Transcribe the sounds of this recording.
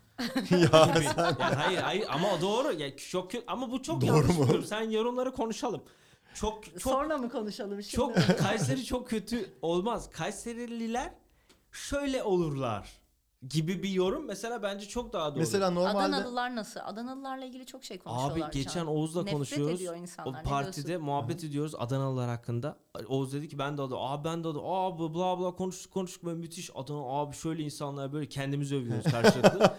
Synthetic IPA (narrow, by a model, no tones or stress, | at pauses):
jaibijaːhajiɾhajɯɾa̰mad̪o̞ːɾujat͡ʃʰok̚ʰːøamabut͡ʃʰokd̪ʰɾumuoɾmsænjo̞ɾunlˠaɾɯkʰo̞nuʃalˠɯm | t͡ʃʰokt͡ʃʰooɾlamɯkʰo̞nuʃalˠɯmʃt͡ʃʰokkʰajseɾit͡ʃʰokcʰːø̞t̪ʰyo̞lˠmaz̥kʰajseɾilʲilʲæɾ̥ | ʃø̞jlʲɛʔo̞lˠuɾlˠa̰ɾ̥ | ɟibibijo̞ɾumːese̞lʲaːbænd͡ʒɛt͡ʃʰo̞k̚d̪aɦad̪omeselʲaːnoɾmaalʲd̪d̪ɛlɯlˠaɾnasɯlˠa̰d̪analˠɯlˠaɾlˠailɟʲilʲit͡ʃʰokʃejkʰoaːbiɟe̞t͡ʃʰæno̞uzlˠanko̞nuʃujoɾuzjoɾinsanapʰaɾt̪ʰid̪ɛmuɦabːɛt̪ʰe̞d̪ijo̞ɾuza̰d̪anaɯlˠaɾhakʰːɯnd̪a | o̞uzd̪e̞d̪icʰːibænd̪ɛad̪ɯ̰maːbænd̪ɛad̪ɯabblˠablˠaːkʰo̞nuʃt̪u̥kʰːo̞nuʃt̪u̥kmamyt̪ʰiʃa̰d̪ɯnaːbiʃø̞jlʲɛinsanlˠaɾbø̞jlʲɛcʰɛnd̪imizøvijoɾzkʰaɾʃlˠad̪ɯ